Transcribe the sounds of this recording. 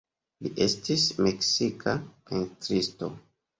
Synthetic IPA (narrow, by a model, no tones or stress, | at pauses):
liʔe̞stismeksikʰaentɾisto̰